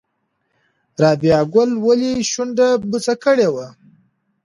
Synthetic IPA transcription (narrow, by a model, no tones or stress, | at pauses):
ɾɑːbijɑɡʊlwaliʃunɖ̪abut͡sakəɽewa